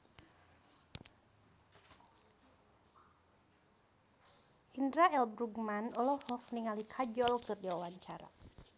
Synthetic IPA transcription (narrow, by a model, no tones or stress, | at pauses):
ʔindɾaɛlbɾuɡmanɔlɔhɔk̚niŋalikʰad͡ʒɔlkɨrdiwawaɲt͡ʃaɾa̰